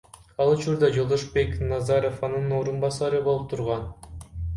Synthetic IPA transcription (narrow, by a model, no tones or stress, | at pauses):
ɑlˠut͡ʃuɾd̪ɑd͡ʒo̞lˠd̪oʃbe̞knɑzɑɾofɑnɯnnoːɾunbɑsɑɾɯbo̞lˠup̚t̪ʰuɾʁɑn